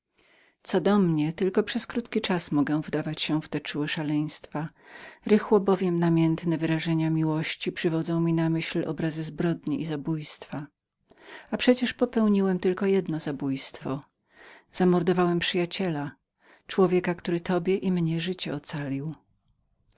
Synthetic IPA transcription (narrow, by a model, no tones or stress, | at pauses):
t̪sɔd̪ɔmɲɛt̪ɘlkɔpʂɛskɾut̪kʲit͡ʂasmɔɡɛ̃vd̪avat͡ɕɕɛ̃vt̪ɛt͡ʂuwɛʂalɛj̃st̪faɾɘxwɔbɔvʲjɛmnamʲjɛnt̪nɛvɘɾaʐɛɲamʲiwɔɕt͡ɕipʂɘvɔd̪zɔ̃w̃mʲinamɘɕlɔ̰bɾazɘzbɾɔd̪ɲiʔizabujst̪fa | apʂɛt͡ɕɛʂpɔpɛwɲiwɛmt̪ɘlkɔjɛd̪nɔzabujst̪fɔ | z̥amɔɾd̪ɔvawɛmpʂɘjat͡ɕɛla | t͡ʂwɔvʲjɛkakt̪uɾɘt̪ɔbʲjɛʔimɲɛʐɘt͡ɕɛɔt̪salʲiw